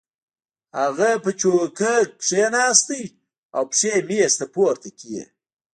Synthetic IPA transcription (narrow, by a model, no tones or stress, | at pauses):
haɣapət͡ʃokək̚pʂenɑːst̪ij | awpʂemist̪apoɾt̪akʰijḛ